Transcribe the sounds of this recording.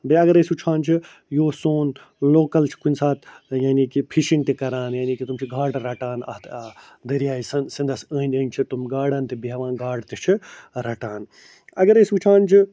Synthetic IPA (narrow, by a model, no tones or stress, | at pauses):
beɐɡɐɾesut͡ʃʰaːnt͡ʃʰi | joːsoːn | loːkɐlt͡ʃʰi̥kunʲsaːt̪ʰjaːnikipʰiʃint̪ekɐɾaːnjaːnikit̪umt͡ʃʰiɡaːɖɾɐʈaːnɐ̰t̪ | d̪ɐɾijaːjisɐnsind̪ʱɐsəːnʲəːnʲt͡ʃʰit̪umɡaːɽɐːnt̪ebʋãːnɡaːɽt̪et͡ʃʰiɾɐʈaːn | ɐɡɐɾesut͡ʃʰaːnt͡ʃʰi